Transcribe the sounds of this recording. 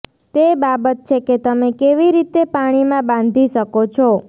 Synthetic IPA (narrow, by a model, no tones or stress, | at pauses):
t̪ebabət̪̚t͡ʃʰeket̪əmekeʋiɾit̪epaɽ̃imãbãnd̪ʱiʃəkot͡ʃʰɔ